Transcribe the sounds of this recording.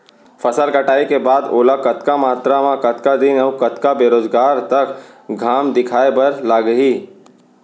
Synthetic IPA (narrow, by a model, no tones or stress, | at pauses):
fʰəsəlkəʈaːikebaːd̪o̰ːlakɐt̪kamaːt̪ɾamãkɐt̪kad̪inɔːkət̪kabeːɾoːd͡ʒɡaːɾt̪ɐk | ɡʱaːmd̪ɪkʰaːebəɾlaːɡəɦiː